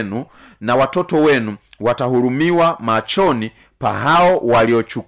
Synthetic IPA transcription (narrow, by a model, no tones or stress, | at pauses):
nu | nawatɔtɔwɛnuwatahuɾumiwamat͡ʃɔni | paɦaɔwaliɔt͡ʃuk